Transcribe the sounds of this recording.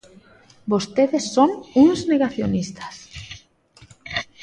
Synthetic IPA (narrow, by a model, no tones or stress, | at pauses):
bost̪eðesːoŋuŋzneɣaθjonist̪ḁs